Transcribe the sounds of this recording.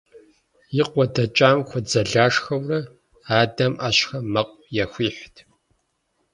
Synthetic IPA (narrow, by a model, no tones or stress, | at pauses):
jɪqʷɔdɐt͡ʃʼaːmxʷɔd͡zɐɮaːʂxɐwrɐ | aːdɐmaɕxɐmɐqʷʼjɛxʷiːħʷtʰ